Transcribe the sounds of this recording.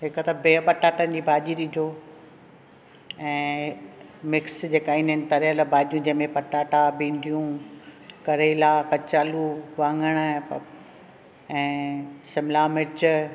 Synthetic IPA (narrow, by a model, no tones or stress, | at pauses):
ɦɪkət̪ɐbeːpɐʈaːʈənɪ̆d͡ʑiːbʱaːʄiɗid͡ʑʱoː | ɛ̃ː | mɪksd͡ʑeːkaːinɪnɪ̆t̪ɐɾjəlbʱaːʄijũd͡ʑɐɦmẽpɐʈaːʈabĩːɳɖʱijũ | kɐɾeːlaːkɐt͡ɕaːluʋãːŋɡəɽ̃ | ɛ̃ːsɪmlaːmɪt͡ɕ